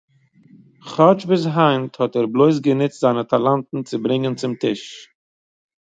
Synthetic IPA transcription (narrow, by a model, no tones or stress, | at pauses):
χɔt͡ʃbɪsɦaɪnthɔtɛɾblˠoɪs̬ɡənɪt͡stz̥aɪnətʰalˠantn̩t͡sɪbɾɪŋənt͡sɪmtɪʃ